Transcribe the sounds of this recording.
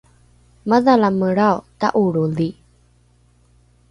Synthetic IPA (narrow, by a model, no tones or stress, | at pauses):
məðalaməɾawtaʔuɽuli